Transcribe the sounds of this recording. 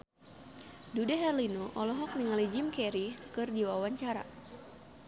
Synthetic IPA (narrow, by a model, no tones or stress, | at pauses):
dudɛɦɛrlinoʔɔlɔɦɔk̚niŋalid͡ʒimkɛɾikɨrdiwawaɲt͡ʃaɾa̰